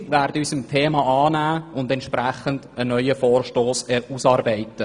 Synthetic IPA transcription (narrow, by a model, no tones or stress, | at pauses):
ʋæːɾdəysəmt̪ʰeːmɑʔɑːnæːʊndɛntʃpɾæχənd̥ənœʏəfɔːrʃtoːsɛusɑːɾbɛɪtə